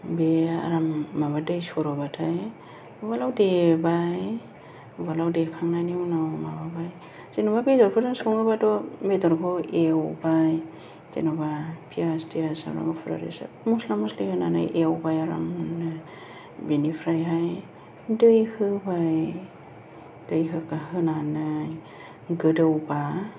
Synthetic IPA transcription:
bea̰ɾamːabadɯjsɔɾɔbatʰaj | balawdebaj | balawdekʰaŋnaniwnamababaj | z̥enɔβabedɔɾpʰɯdɔnsɔŋɯbadɔmedɔɾkʰɔewbaj | z̥enɔbapʰiasdiasa̰wɾa̰ŋɯpʰɾa̰ɾḭsa̰ | muslamɔslihɯna̰na̰jʔewbajaɾa̰ŋnːɯ | benipʰɾajɦaj | dɯjhɯbaj | d̥ɯjɦɯkaɦɯnanaj | ɡɯdɯwba

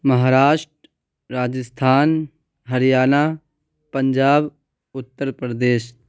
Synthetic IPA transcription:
məɦaːɾaːʃʈɾ | ɾaːd͡ʒəst̪ʰaːn | ɦɐɾijaːna | pəɲd͡ʒaːb | ʊt̪ːəɾpɾəd̪eːʃ

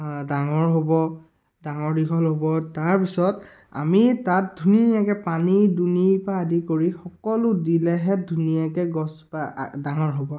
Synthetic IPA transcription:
daŋɔɹɦobɔ | daŋɔɹdikʰɔlɦobɔtaɹpisɔt | a̰mitat̚dʱunijakɛpanidunipaːdikoɹixɔkɔlʊdilɛɦɛdʱunijakɛɡɔspa̰daŋɔɹɦobɔ

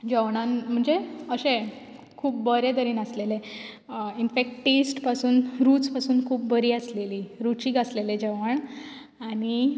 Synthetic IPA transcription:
d͡ʑəʋɳãnm̤əɳd͡zeəɕẽ | kʰuːpbəɾed̪əɾiːnəslele | infek̚ʈʈesʈpasuːnɾuːt͡spasuːnkʰuːp̚bəɾiːəsleliːɾut͡ɕiːɡəsleled͡ʑeʋəɳ | aɽ̃i

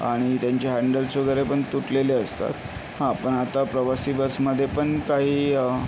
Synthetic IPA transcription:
a̰ɽ̃it̪jaɲt͡ɕeɦæɳɖəlsʋəɡəɾepəɳt̪uʈleleəst̪a̰t̪ | hãpəɳat̪apɾəʋasiːbəsməd̪ʱːjepəɳkaɦiːə

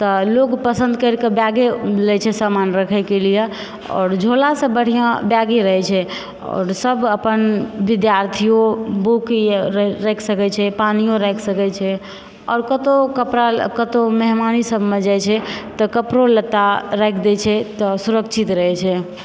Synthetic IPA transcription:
t̪ɔlokpəsə̃nd̪kəɾkebjaɡelɛt͡ʃʰɛsamanɾəkʰɛɪkelije | ɔ̰ːɾd͡ʒʱolasə̃bəɽ̤ijãbjaɡiɾəɦɛt͡ʃʰɛ | ɔ̰ːɾsəbʱəpənʋid̪jaɾt̪ʰijobukɾɾɛkʰsəkɛt͡ʃʰɛpanijoɾɛkʰsəkɛt͡ʃʰɛ | ɔ̰ːɾkət̪okəpɾakət̪oməɦmanisəbʱmed͡ʒajt͡ʃʰɛt̪ɔkəpɾolət̪ːaɾɛɛkʰd̪et͡ʃʰɛt̪ɔsuɾəkt͡ʃʰit̪ɾəɦɛt͡ʃʰɛ

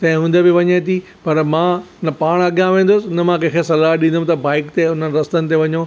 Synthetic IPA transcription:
t̪ɐ̃ɦɪ̃ɦũːnd̪əbɪʋɐɲet̪ʰi | pɐɾmãː | nɐpaːɽ̃ɐɠijãʋẽːn̆d̪ʊsɪnɐmãk̬ʰɐ̃ːkʰesɐlaːɦɗĩːnd̪əm̃t̪ɐbaːɪkt̪eʊn̤ənɪ̆ɾɐst̪ənɪ̆t̪eʋɐɲõː

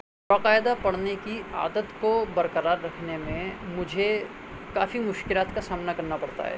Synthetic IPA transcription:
baːqaːjɪd̪apɐɽnekia̰ːd̪ət̪kobɐɾqəɾaːɾːɐkʰnemẽmʊd͡ʒʱe | kaːfimʊʃkɪlaːt̪kasaːmnakɐɾnapɐɽt̪a̰ɦɛ̰ː

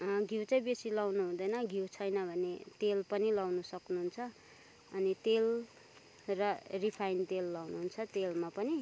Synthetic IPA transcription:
ɡʱiwt͡sʌ̃j̃besilawnuɦũd̪ʌjnʌɡʱiwt͡sʰʌjnʌbʱʌnet̪elpʌnilawnusʌknuɦunt͡sʰʌ | ʌnit̪el | rʌripʰajnt̪elːawnuɦunt͡sʰʌt̪elmapʌni

